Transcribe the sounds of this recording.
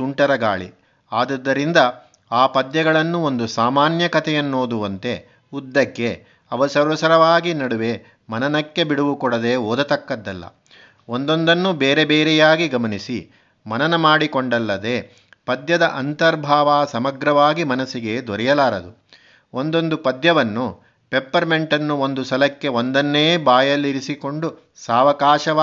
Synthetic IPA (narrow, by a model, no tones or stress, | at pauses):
suɳʈɐɾɐɡa̰ːɭḭ | aːd̪ɐd̪ːɐɾind̪ɐ | aːpɐd̪jɐɡɐɭɐnːuond̪usaːmaːnjɐkɐt̪ʰɛjɐnːoːd̪uʋɐnt̪e̞ | ud̪ːɐkːe̞ | ɐʋɐsɐɾʋɐsɐɾɐʋaːɡinɐɽuʋe̞ | mɐnɐnɐkːe̞biɽuʋukɔɽɐd̪e̞ːoːd̪ɐt̪ɐkːɐd̪ːɐlːɐ̰ | ond̪o̞nd̪ɐnːubeːɾebeːɾɛjaːɡiɡɐmɐnisi | mɐnɐnɐmaːɽikoɳɖɐlːɐd̪e̞ː | pɐd̪jɐd̪ɐʔɐnt̪ɐɾbʱaːʋaːsɐmɐɡɾɐʋaːɡimɐnɐsiɡe̞d̪ɔɾɛjɐlaːɾɐd̪u | ond̪o̞nd̪upɐd̪jɐʋɐnːu | pepːɐɾme̞ɳʈɐnːuond̪usɐlɐkːe̞ond̪ɐnːeːbaːjɐlːiɾisiko̞ɳɖu | saːʋɐkaːʃɐʋ